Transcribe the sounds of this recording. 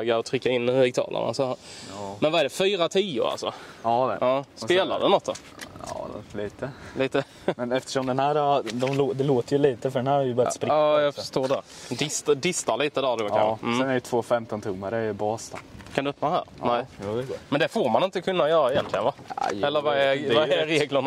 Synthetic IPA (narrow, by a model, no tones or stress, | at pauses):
ɡaɔt̪ʰɾʏkːaɪnːɪɡ̚t̪ʰɑ̰ːlʔə̰na̰sɔhæːɾmɛnvaɛːɖɛfyːɾat̪ʰiːʊ̰ɾa̰lsɔ̰ɑ̰ʔɑːspeːla̰d̪ɛnɔt̪ːɔ̰ | liːt̪əliːt̪ə | mɛnɛft̪ə̥ʂɔmd̪ɛnhæːɾd̪ɔmlod̪ɛloːt̪əɾjɵliːt̪əfœɖɛnhæːɾɛɾjəbœɾaspɾɑːjɑɡfəʂt̪oːdɛd̪ɪst̪d̪ɪst̪aɾliːt̪əd̪æɾd̪oːkamːsɛnɛɾɛt̪ʰvoːfɛmt̪ɔnt̪ʰɵmːaɾəbɑːst̪ɑkʰand̪ɵpːnoːhæ̰ːɾnæɪmɛnd̪ɛfoːɾmanɪnt̪əkʰɵnːajœːɾaɛjɛnt̪lɪɡənvajɛlːəɾvaɛvaɛɾeːɡləɳ